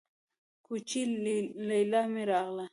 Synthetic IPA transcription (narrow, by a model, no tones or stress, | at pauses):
kʊt͡ʃɪlajlamɪɾɑʁla